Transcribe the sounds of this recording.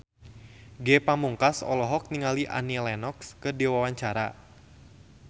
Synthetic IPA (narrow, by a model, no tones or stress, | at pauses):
ɡɛpamuŋkasɔ̰lɔɦɔk̚niŋaliʔa̰nilɛnɔkskədiwawaɲt͡ʃaɾa̰